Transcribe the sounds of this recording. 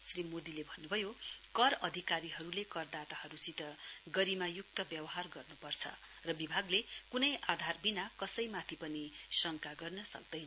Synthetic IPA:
srimod̪ilebʱʌnːubʱʌjokʌɾʌd̪ʱikaɾiɦʌɾulekʌrd̪at̪ahʌɾusit̪ʌɡʌɾimajuk̚t̪ʌbjʌbʌɦarɡʌrnupʌrt͡sʰʌ̰ | rʌbibʱaɡlekunʌjʔad̪ʱarbinakʌsʌjmat̪ʰipʌnisʌŋkaɡʌrnʌsʌ̰k̚d̪ʌjnʌ

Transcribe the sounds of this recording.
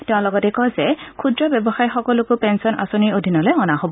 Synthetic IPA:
tɛʊ̃lɔɡɔtɛkɔzɛkʰudɹɔbɛbɔxajxɔkɔlʊkʊpɛnsɔnʔa̰soniɹodʱinɔlɔjɔnaɦobɔ

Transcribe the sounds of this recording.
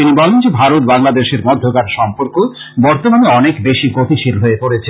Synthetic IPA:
t̪inibɔlend͡ʑebʱaɾot̪̚baŋlad̪eʃeɾmɔd̪ʱːokaɾʃɔmpoɾko | bɔɾt̪omaneɔnekbeʃiɡot̪iʃilɦoepoɾet͡ɕʰe

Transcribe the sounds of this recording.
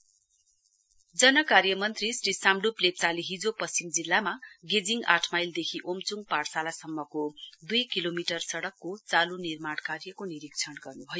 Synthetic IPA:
d͡zʌnʌkarjʌmʌnt̪risrisamɖuplep̚t͡saliɦid͡zopʌst͡simd͡zilːamaɡed͡ziŋɡaʈʰmajld̪ekʰiʔomt͡suŋɡparsalasʌmːʌkod̪ujkilomiʈʌrsʌɽʌkːot͡salunirmaɽkarjʌkoniɾik̚t͡sʰʌnɡʌrnubʱʌjo

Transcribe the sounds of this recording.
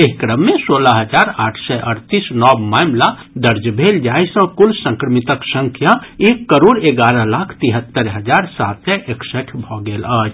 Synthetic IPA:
eɦkɾəmːẽsoːlaɦəd͡ʒaːɾaːʈʰsɛʔəɾt̪isnɔːbmaːmla | d̪əɾd͡ʒbʱeːld͡ʒaːisə̃kʊlsə̃ŋkɾəmit̪əksə̃ŋkʰjaeːkːəɾoːɾeɡaːɾəlaːkʰt̪iɦət̪ːəɾɦəd͡ʒaːɾsaːt̪ɛʔeksɛʈʰbʱɔɡeːləd͡ʒ

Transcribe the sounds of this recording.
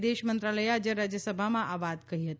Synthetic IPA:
d̪eʃmənt̪ɾaləjad͡ʑjəɾad͡ʑjəsəbʱamãʔaʋad̪kəɦiɦət̪

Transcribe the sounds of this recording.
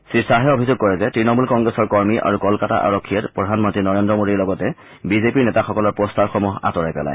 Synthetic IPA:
sɹisaɦɛobʱizoɡ̚kɔɹɛzɛtɹinɔmulkɔŋɡɹɛsɔɹkɔɹmiʔa̰ɹukɔlkata̰ʔa̰ɹɔkʰːijɛtpɹɔdʱanmɔntɹinɔɹendɹɔmodiɹlɔɡɔtɛ | bizepiɹnɛtaxɔkɔlɔɹpɹɔstaɹxɔmuɦa̰tɔɹajpɛ̰la̰j

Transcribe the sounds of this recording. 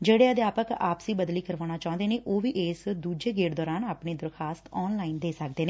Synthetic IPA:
d͡ʒeːɽeːəd̪jaːpəka̰ːpsiːbəd̪liːkəɾʋaːnaːt͡ʃaːʊ̃nd̪eːnẽːʔoːʋiːʔeːsd̪uːd͡ʒeːɡeːʈd̪ɔːɾaːnaːpneːd̪əɾkʰaːst̪ɔːnlaːind̪eːsək̚d̪eːneː

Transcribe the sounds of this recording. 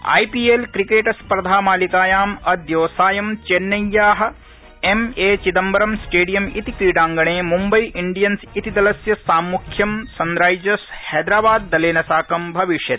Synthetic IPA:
a̰ːjpiːelkɾikeːʈɐspɾɐd̪ʱaːmaːlikaːjaːmɐd̪joːsaːjɐmt͡ʃenːɐjːaːɦɐ̆ | emeːt͡ʃid̪ɐmbɐɾɐmsʈeːɖijɐmit̪ikiːɽaːŋɡɐɳeːmumbɐjʔiɳɖijɐnsit̪id̪ɐlɐsjɐsaːmːukʰjɐmsɐnɾaːjd͡ʒɐshɛːd̪ɾaːbaːd̪̚ːɐleːnɐsaːkɐmbʱɐʋiʂjɐt̪̚

